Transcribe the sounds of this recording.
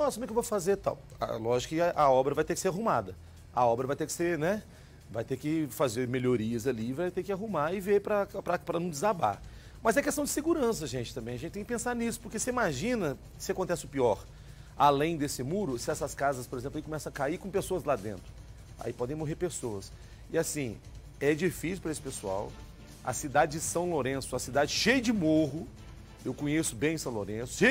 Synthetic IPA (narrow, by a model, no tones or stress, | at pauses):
nɔsɐkumɛkewvofazeɾt̪ã̰w̃ | a̰lɔʒɪikɪaʔɐɔbɾɐvajt̪ekɪ̥seɾaɦũmad̪ɐ | ɐɔbɾɐvajt̪eɾkɪ̥seɾnɛ | vajt̪ekɪfazeɾmeloɾiɐzaliːvajt̪eɾkɪaɦũmaɪveɾpɾɐpɾɐpɾɐnɐ̃w̃d͡ʒɪzaba̰ɾ | mɐzɛkest̪ɐ̃d͡ʒɪ̥seɡuɾɐ̃sɐʒẽnt͡ʃɪ̥t̪ɐ̃mbẽj̃ɐʒẽt͡ʃɪt̪ẽkɪpẽsaɾnisʊ̥poɾkeseimaʒĩnɐ | sɪakõnt̪ɛsɪʊpiɔɾ | alẽj̃d̪esɪmuɾʊsɪɛsɐskazɐspoɾezẽplaikõmɛsɐ̃w̃akaikõpesoɐzlad̪ḛ̃nt̪ɾʊ | a̰ipɔd̪ẽj̃moɦeɾpesoɐs | ɪasĩ | ɛd͡ʒifisiwpɾɐesɪ̥pesua̰w | ɐ̰sid̪ad͡ʒɪd͡ʒɪsɐ̃w̃loɾẽsʊɐsid̪ad͡ʒɪʃejɐd͡ʒɪmoɦʊ | ewkõɲesʊbẽj̃sɐ̃w̃lo̰ɾẽsʊ̥ʃe